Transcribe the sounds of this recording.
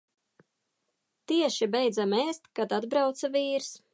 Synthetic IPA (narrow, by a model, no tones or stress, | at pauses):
t̪iɛʃibɛjd̪zamɛːst̪kad̪ad̪bɾawt̪saviːɾs